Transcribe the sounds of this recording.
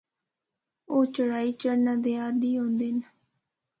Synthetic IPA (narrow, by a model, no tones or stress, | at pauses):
oːt͡ʃəɽaːiːt͡ʃəɽnãːd̪eːaːd̪iːɦõːnd̪ɪn